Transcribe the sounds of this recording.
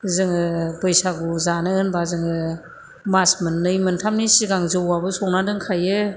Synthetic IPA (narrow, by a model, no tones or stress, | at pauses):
zɯŋɯbɯjsaɡuzanɯɯnbazɯŋɯ | masmɯnːɯjmɯntʰamnisiɡaŋzɯwabɯsɔŋnadɯŋkʰajɯ